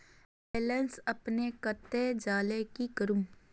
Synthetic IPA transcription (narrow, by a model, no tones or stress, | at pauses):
beːlənsɐpnekət̪ːed͡ʒaːlekikəɾum